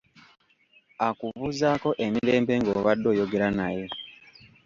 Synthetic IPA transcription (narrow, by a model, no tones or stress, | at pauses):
akuβuːzaːko̞ʔemiɾe̞ːmpe̞ŋɡoːβadːo̞ːjo̞ɡe̞ɾanaje̞